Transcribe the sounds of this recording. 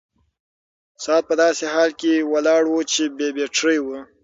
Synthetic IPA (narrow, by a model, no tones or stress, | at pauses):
sɑt̪̚pəd̪ɑseɦɑlkewalɑɽwut͡ʃebebeʈ͡ʂʰəjwu